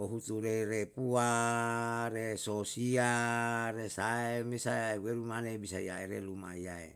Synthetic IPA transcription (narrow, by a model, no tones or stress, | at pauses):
oɦut̪uɾeɾepua | ɾesosiaɾesaemesaeweɾumanebisaiaeɾelumaiaḛ